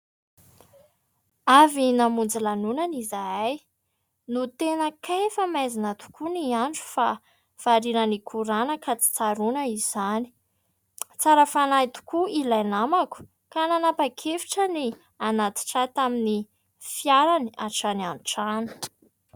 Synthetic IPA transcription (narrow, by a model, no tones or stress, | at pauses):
avinamund͡zilanunanizaaj | nut̪enəkʰajfamajzinət̪u̥kʰuniaɳʈ͡ʂu̥fa | v̥aɾinənikʰuɾanəkat͡si̥t͡saɾunəiz̥ani̥ | t͡saɾəfanajt̪u̥kuilajnamaku̥ | kananapakʰefi̥ʈ͡ʂəni | anat̪i̥ʈ͡ʂat̪amini | fjaɾaniaʈ͡ʂanianʈ͡ʂanə̥